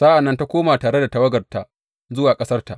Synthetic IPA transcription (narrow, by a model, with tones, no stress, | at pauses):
sa˦ʔa˨nːɐ˦nta˦kʷoː˦maː˨taː˨ɽe˦da˨ta˦wɐ˦ɡɐ˨rta˨ʔ | zʊ˦waː˨kʼɐ˦sɐ˦rta˨ʔ